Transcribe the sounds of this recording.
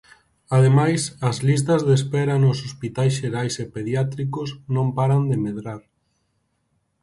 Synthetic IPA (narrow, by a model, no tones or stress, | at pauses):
aðemajsɐzlis̬t̪ɐzðespɛɾɐnʊsospit̪ajsʃeɾajsepeðjat̪ɾikʊsnõmpaɾand̪emeðɾaɾ